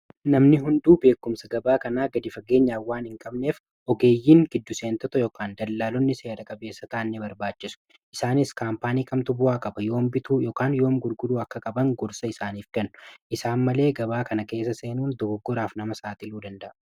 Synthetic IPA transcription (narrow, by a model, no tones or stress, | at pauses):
nɐmnɪɦʊnd̪uːbe̞ːkːʊmsɐɡɐbaːkɐnaːɡɐd̪ɪfɐɡe̞ːɲːaːwaːnhɪŋkʼɐbneːf | ʔɔɡe̞ːjːiːŋɡɪd̪ːʊseːnt̪ɔt̪ɔjɔːkaːnd̪ɐlːaːlɔnːɪse̞ːɾɐkʼɐbe̞ːsːɐt̪aʔɐnːebɐɾbaːt͡ʃːɪsʊ̥ | ʔɪsaːnɪskaːmpaːniːkʼɐmt̪ʊbʊaːkʼɐbɐjo̞ːmbɪt̪uːjoːkaːnjo̞ːmɡʊɾɡʊd̪uːɐkːɐkʼɐbɐŋɡɔɾsɐɪsaːniːfkɛnːʊʔɪsaːnmɐle̞ːɡɐbaːkɐnɐke̞ːs̬ːɐse̞ːnuːnd̪ɔbɔɡːɔɾaːfnɐmɐsaːt̪ɪluːd̪ɐnd̪ɐʔ